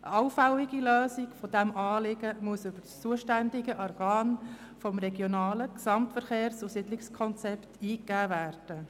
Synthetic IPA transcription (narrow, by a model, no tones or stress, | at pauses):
ʔə̰ɑʊfælɪɡiløːsikfɔd̥æmʔɑːlɪɡəmuəsʏb̥əɾst͡suəʃtændɪɡəʔɔrɡɑːn | fɔmɾɛɡjɔnɑːləksɑmtfəɾχeːɾsusɪdlɪkskʰɔnt͡sɛptʰiːkːæːvæːrd̥ə